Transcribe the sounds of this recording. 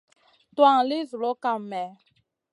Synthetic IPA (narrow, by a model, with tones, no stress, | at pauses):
twa˦˨ŋ˨li˦zu˨lo˦ka˦mɛ˨